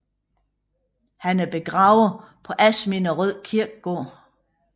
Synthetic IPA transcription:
hænæɐb̥e̝ɡ̥ʁɑ̈ʊð̩ | pʰɒ̽ʔæsminɒʁœð̰ˠkʰiɐɡ̥̚ɡ̥ɔ̰ː

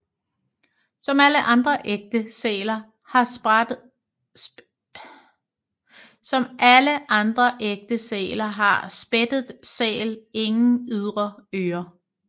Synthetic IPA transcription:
sɒ̽mæləʔɑ̈nd̥ʁɐʔeɡ̥̚d̥əsɛ̰ːlɐ | hɑ̈ | sɒ̽mʔæləʔɑ̈nd̥ʁɐʔeɡ̥̚d̥əsɛ̰ːlɐɦɑ̈sb̥ed̥ð̩ˠsɛ̰ːle̝ŋn̩yð̞ˠʁɐøːɐ

